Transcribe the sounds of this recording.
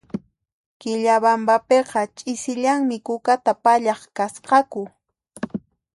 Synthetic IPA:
kɪʎaβambapeqɑt͡ʃʼɪsɪʎaŋmɪkʊkat̪apaʎɑχkasqɑkʊ

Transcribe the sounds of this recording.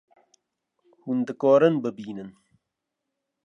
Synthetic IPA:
huːnd̪ɨkɔːɾɨnbɨbiːnɨn

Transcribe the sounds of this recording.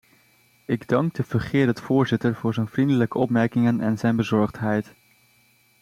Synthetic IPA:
ɪɡdɑŋɡ̚dəv̥əɹχɪːɹətfʊːɹzɪtəɹvʊːɹzɛjnvrindələkəɔpmɛɹkɪŋənɛ̰nzɛjnbəzɔɹχtɦɛjt

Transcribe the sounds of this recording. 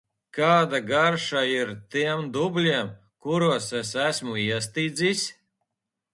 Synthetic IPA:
kaːd̪aɡaɾʃaiɾt̪iɛmd̪ublʲiɛm | kuɾuɔsɛsæsmuiɛs̬t̪iːd̪zʲisʲ

